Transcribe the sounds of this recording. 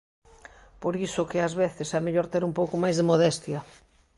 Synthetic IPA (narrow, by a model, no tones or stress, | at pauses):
poɾisʊkɪazβeθɪsɛmeʎoɾt̪eɾumpowkʊmajzðemoðɛst̪jɐ